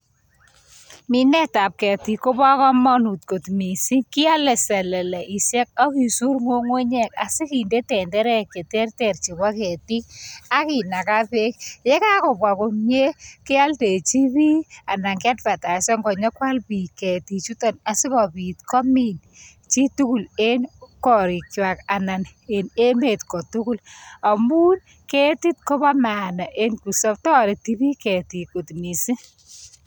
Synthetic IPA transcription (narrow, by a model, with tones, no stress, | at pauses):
mi˨nɛ˦ta˨p̚kɛ˨ti˨ko˦ba˦kɔ˦mɔ˦nu˨t̚ko˨tmi˨si˦ki˦a˦lɛ˨sɛ˨lɛ˨lɛ˨ʔi˨sjɛ˦k̚ɔ˦ki˨su˦ɾŋo˦ŋwe˦ɲɛ˦˨ka̰˨sɪ˦ki˨nde˦tɛ˨ndɛ˦ɾɛ˦ke˨tɛ˦rtɛ˨rt͡ʃi˨βa˦kɛ˨ti˦ka˦ki˨na˨ka˦pe˦kjɛ˦ka˦kɔ˨pwa˨ko˨mje˦kɪ˦a˦lte˨t͡ʃi˦pi˦a˨na˨ŋkɛ˦tpa˨ta˨sɔ˦ŋɡɔ˨ɲɔ˦kwa˦lpi˨kɛ˨ti˨t͡ʃu˦tɔ˨na˨si˦kɔ˨pi˨tkɔ˦mi˦˨n | t͡ʃi˦tu˦ku˨le˦nkɔ˨ɾi˨kt͡ʃwa˨ka˨na˨n | e˨ne˦me˨tkɔ˨tu˦ku˦la˨mu˦n | ke˦ti˦t̚kɔ˦ba˦ma˨na˨ʔe˦nku˨sɔ˦ptɔ˦˨ɾe˨ti˦bi˦kɛ˨ti˨ko˨tni˨si˦